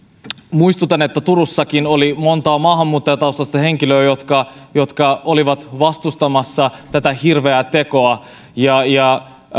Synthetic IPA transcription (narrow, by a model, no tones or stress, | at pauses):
muist̪ut̪ɑnet̪ːæt̪uɾusːɑkino̞limo̞nt̪ɑːmɑːɦɑmːuːt̪ːɑjɑt̪ɑust̪ɑst̪ɑhe̞ŋk̟iløːjo̞t̪kɑjo̞t̪kɑo̞liʋɑt̪ʋɑst̪ust̪ɑmɑsːɑt̪æt̪æhirʋeæt̪e̞ko̞ɑ | jɑjɑ